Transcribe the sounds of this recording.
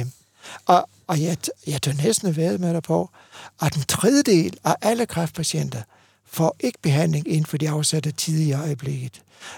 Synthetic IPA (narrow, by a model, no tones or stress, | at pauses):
m | ʔɒ | ɒ̽jjɑ̈ɪt͡sʰonesd̥n̩æʋæɐðˠmeɾ̥ɐpʰɒ | ʔɒ̽d̥ent͡sʰʁɛð̞ˠəd̥e̝̰ːlæʔæləkʰʁɑfd̥̚pʰæɕen̰d̥ɐ | fɒ̰ːʔe̝ɡ̥ə̥b̥e̝ɦæn̰le̝ŋe̝n̩fɒ̽d̥iɑ̈ʊsæd̥ɐt͡sʰið̞ˠiɒ̽ɪəb̥le̝ɡ̥ð̩ˠ